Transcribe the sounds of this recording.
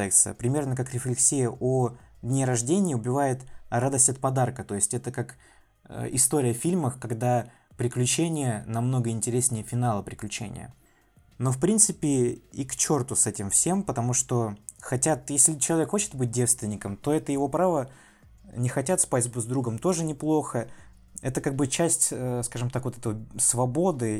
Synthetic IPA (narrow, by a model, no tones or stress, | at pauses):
ɛɪkt̪sɨ̰ə̰pɾʲɪmʲernəkakɾʲɪflʲɪksʲijəʔo | d̪ʲnʲeɾɐʐdʲenʲɪːʊbʲɪvajɪt̪ɾad̪əsʲtʲɐt̪̚pɐd̪arkət̪o̞jɪsʲtʲɛt̪əkak | ɪst̪o̞ɾʲɪjəfʲilʲməxkɐɡd̪a | pɾʲɪklʲʉt͡ɕenʲɪjənɐmno̞ɡəɪnʲtʲɪɾʲesʲnʲɪjəfʲɪnalˠəpɾʲɪklʲʉt͡ɕḛnʲɪ̰jə̰ | no̞fpɾʲint̪sɨpʲɪikt͡ɕo̞rt̪ʊsɛtʲɪmfsʲe̞mpət̪ɐmuʂt̪o̞xɐtʲat̪jesʲlʲɪt͡ɕɪlˠɐvʲekxo̞t͡ɕɪ̥t̪bɨt̚ʲdʲe̞fst̪vʲɪnʲɪkəmt̪o̞ɛt̪əjɪvo̞pɾavə | nʲɪxɐtʲat̪spatʲzʲbuzd̪ɾuɡəmt̪o̞ʐɨnʲɪplˠo̞xə | ɛt̪əkaɡ̚bɨt͡ɕæsʲtʲəskaʐɨmt̪akvot̪ɛt̪əvsvɐbo̞d̪ɨ